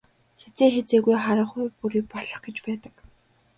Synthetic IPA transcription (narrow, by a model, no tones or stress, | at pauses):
xet͡seːxet͡seːɣujχaɾə̆χʊjpuɾiːk̚pɔɮə̥̆χɡet͡ɕpæːt̪ə̆k